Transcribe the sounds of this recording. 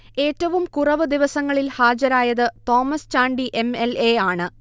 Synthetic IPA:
e̞ːtːɐʋumkurɐʋɨd̪iʋɐsɐŋːɐɭilhaːd͡ʑɐɾaːjɐðɨt̪o̞ːmɐst͡ɕaːɳɖiʔe̞melejaːɳɨ

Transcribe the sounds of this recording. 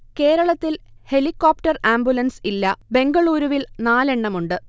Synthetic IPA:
ke̞ːɾɐɭɐt̪ːilhe̞likːoːp̚tɐraːmbjulɐnsilːɐbe̞ŋɡɐɭuːɾuʋilnaːle̞ɳːɐmuɳɖɨ

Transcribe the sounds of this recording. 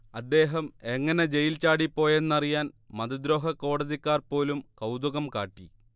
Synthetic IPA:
ɐd̪ːe̞ːɦɐmeŋːɐne̞d͡ʑe̞jilt͡ɕaːɽipːo̞ːje̞nːɐrijaːnmɐðɐd̪ɾo̞ːɦɐko̞ːɽɐðikːaːrpo̞ːlumkɐwd̪uɣɐmkaːʈːi

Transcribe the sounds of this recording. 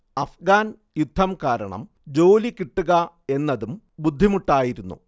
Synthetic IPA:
ɐfɡaːn | jud̪ʱːɐmkaːɾɐ̰ɳɐ̰m | d͡ʑo̞ːlikiʈːuɣɐ | e̞nːɐðum | bud̪ʱːimuʈːaːjiɾunːṵ

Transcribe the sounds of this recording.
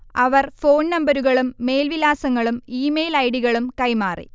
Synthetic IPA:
ɐʋɐrfo̞ːnnɐmbɐɾuɣɐɭumːe̞ːlʋilaːsɐŋːɐɭumiːmejlɐjɽiɣɐɭumkɐjmaːrḭ

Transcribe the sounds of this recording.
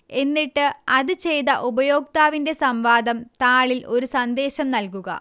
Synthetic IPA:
e̞nːiʈːɨɐðɨt͡ɕe̞jt̪ɐʔubɐjo̞ːk̚t̪aːʋinde̞sɐmʋaːd̪ɐmt̪aːɭilʔo̞ɾusɐnd̪e̞ːɕɐmnɐlkuɣɐ̰

